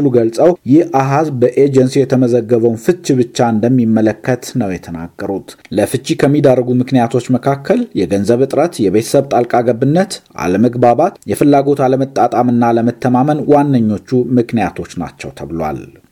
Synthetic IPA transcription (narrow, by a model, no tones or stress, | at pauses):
luɡəlsʼəwjɪhʔaɦazbəʔed͡ʒənsijɛt̪ʰəməzəɡːəβəwnfɨt͡ʃːiβɨt͡ʃːaɨnd̪əmːimːələkːət̪nəwjɛt̪ʰəna̰ɡːəɾut̪ləfɨt͡ʃʼːikʰəmːid̪arːəɡumɨknijat̪ʰo̞t͡ʃːməkʰakːəljɛɡənzəβɨt̪ʼɾət̪jɛβe̞t̪ʰə̥səβt̪ʼalkʼaɡəbɨnːət̪ʔa̰ləməɡbaβat̪jɛfɨlːaɡo̞t̪aləmət̪ʼːat̪ʼamɨnːaləmət̪ʰːəmamənwanːəɲːo̞t͡ʃːumɨknijat̪ʰo̞t͡ʃːna̰t͡ʃːɛwt̪ʰəβlwa̰l